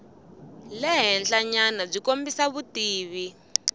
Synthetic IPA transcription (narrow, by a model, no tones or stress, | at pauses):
lɛɦɛnɬaɲanab͡ʐikombisaβutiːβi